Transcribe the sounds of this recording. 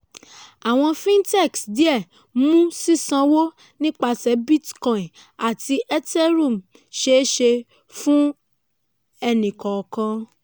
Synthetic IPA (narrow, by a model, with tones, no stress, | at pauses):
a˨w̃ɔ̃˧fĩ˦ntɛ˦˨ksdi˨˦ɛ˦˨ | mũ˦si˦sã˧wo˦ | nĩ˦k͡pa˧sɛ˨˦bi˦tkɔ̃˨ĩ˨ | a˨ti˧ʔɛ˦tɛ˦ɾũ˦˨m̩˨ | ʃe˧˦ʃe˧ | fũ˦ | ɛ˧nĩ˨kɔ˨kã˧